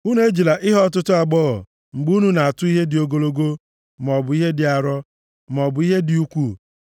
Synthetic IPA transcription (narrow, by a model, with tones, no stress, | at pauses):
u˦n˦e˦d͡ʒi˨la˨ʔɪ˦ɦɔ˦t̬ʊ˦tʊ˦a˨ɡ͡bɔ˦ɣɔ̰˨ | ŋ͡m̩˨ɡ͡bu˦nu˦na˨a˨tʊ˦i˦ɦe˦dɪ˨o˨ɡo˨lo˦ɡo˦ | m˨ɔ˨bʊ˨i˦ɦe˦dɪ˨a˨ɾɔ˦ | m˨ɔ˨bʊ˨i˦ɦe˦dɪ˨u˦kʷu˦